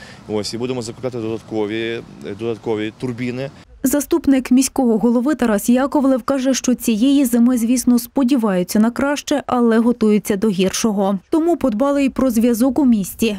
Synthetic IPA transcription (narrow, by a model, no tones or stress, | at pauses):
ɔsʲibud̪emɔzɐkʊklʲɑt̪ɪd̪ɔd̪ɐt̪kɔʋʲid̪ɔd̪ɐt̪kɔʋʲit̪ʊrbʲinɪ | zɐst̪upnɪkmʲisʲkɔɦɔɦɔlˠɔʋɪt̪ɐɾɑsjɑkɔʋlˠɛwkɑʒɛʃt͡ʃɔt͡sʲijejizemɪzʲʋʲisnɔspɔdʲiʋɑjʊt͡sʲːɐnɐkɾɑʃt͡ʃɛʔɐlˠɛɦɔt̪ujʊt͡sʲːɐd̪ɔɦʲirʃɔɦɔt̪ɔmupɔd̪bɑlˠɪpɾɔzʲʋʲjɐzɔkʊmʲisʲtʲi